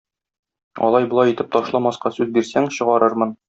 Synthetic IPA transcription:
ɒ̰lˠɑjbŏlˠɑjit̪ɘp̚t̪ɒʃlˠɑmɑsqɑsʉzbiɾsæŋɕɤ̆ʁɑɾɤɾmɤn

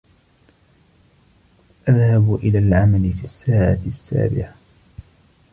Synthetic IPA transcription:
ʔaðhabʔɪlaːlʕamalɪfiːsːaːʕat̪sːa̰ːbɪ̰ʕa

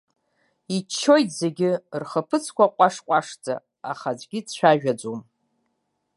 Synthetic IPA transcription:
it͡ʃʰːojtʰʼzeɡʲɪrχəpʰɨt͡sʰkʷʰaqʷʼaʂqʷʼaʂd͡zʼa̰ː | χad͡ʒʷʼɡʲit͡ɕʷʰᶣaʒᶣad͡zom

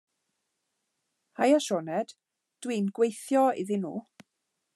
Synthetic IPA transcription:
hajaʃɔnɛd̥ | d̥wiːnɡwejθjɔɪ̰ðɪnṵː

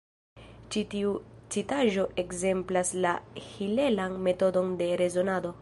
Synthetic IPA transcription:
t͡ʃitiut͡sitaʒo̞ʔe̞kze̞mplaslahile̞lanme̞to̞do̞nde̞ɾe̞zo̞nado̞

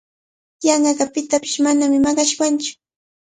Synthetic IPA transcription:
jɑɴɢɑɢɑpɪt̪apɪ̥ʃmanamɪmɑɢɑʃwant͡ʃʊ̥

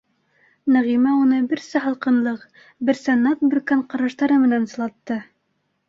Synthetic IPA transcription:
næʁimæunɤbɘ̆ɾsæɦɑlˠqɤ̆nlˠɤq | bɘ̆ɾsænɑt̪̚bɘ̆ɾkæɴqɑɾɑʃt̪ɑɾɤmɘ̆nænsɤ̆lˠɑt̪ːɤ

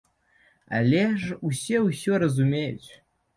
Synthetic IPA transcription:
a̰lʲeʐusʲeusʲoɾɐzumʲejt͡ɕ

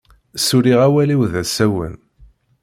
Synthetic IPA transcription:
suɾiʁæwæliwðæsæwə̰n

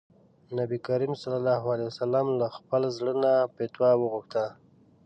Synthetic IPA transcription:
nabikaɾimsalalɑɦualawasalamlaxpəlazɽənapet̪wɑwəɣuxt̪a

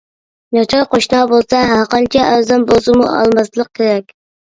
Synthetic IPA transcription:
j̪ɑt͡ʃ̪ʰɑɾqʰoʃnɑbolˠsɑɦæɾqɑnt͡ʃʰɛʔæzæmbozɨmṵɑ̰lˠmɑst̪lˠəq̚kʲʰeɾɛkʲ

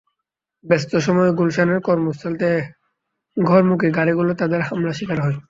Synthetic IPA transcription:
bɛst̪oʃɔmɔeɡulʃaneɾkɔɾmost̪ʰalt̪e | ɡʱɔɾmuk̬iɡaɾiɡulot̪ad̪eɾhamlaʃikaɾɦɔe

